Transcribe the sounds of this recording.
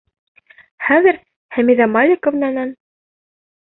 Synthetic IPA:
χæðɘ̆ɾ | hæmiðɑmɑlʲikŏvnænæn

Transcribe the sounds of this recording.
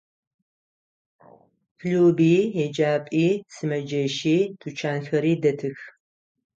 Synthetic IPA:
kʰluːbiːjɛd͡ʒaːpʼiːsɨmɐd͡ʒɐʃiːtʰut͡ʃʰaːnxɐɾiːdɐtʰɨx

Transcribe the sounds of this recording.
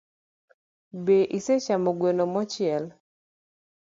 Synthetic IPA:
beʔiset͡ʃamoɡwenomɔt͡ʃɪɛl

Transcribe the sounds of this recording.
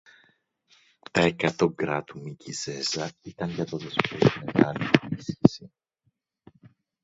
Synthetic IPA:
t̪ɐe̞kɐt̪o̞ɡɾɐt̪umicize̞zɐit̪ɐɲʝɐt̪oðospotimetɐliunisçisi

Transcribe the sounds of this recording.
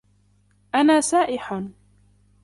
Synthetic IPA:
ʔanaːsaːʔɪħ

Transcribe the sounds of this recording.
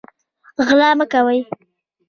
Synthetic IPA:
ɣlɑməkawəj

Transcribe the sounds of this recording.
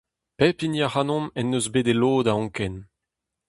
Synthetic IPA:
pɛpinjaχanɔ̃mɛnːøzbeːdeloːd̪aɔ̃ŋkɛn

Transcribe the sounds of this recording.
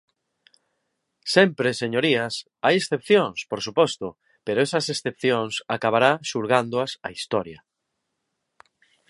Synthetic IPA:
sɛmpɾeseɲoɾias | ajesθepθjoŋspoɾsupɔst̪o | peɾoesɐsesθepθjoŋsakaβ̞aɾaʃuɾɣand̪oasa̰ist̪ɔɾja

